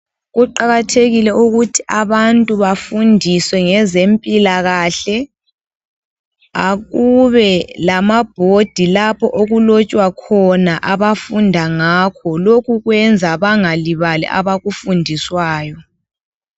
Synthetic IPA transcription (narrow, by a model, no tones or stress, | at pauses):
ɣuǃaɣatʰeɣilɛuɣutʰi̥ʔaβantʼuβafundʱiswɛŋɛzempʼilaɣaɬɛ | a̰ɣuβɛlamab̥̚ʱod̥ʱilapʰɔʔoɣulot͡ʃʼwakʰɔnaʔaβafundʱaŋaːkʰɔlokʰuɣwɛnd͡zʱaβaŋaliβalɛ̰ʔa̰βaɣufundʱiswaːjɔ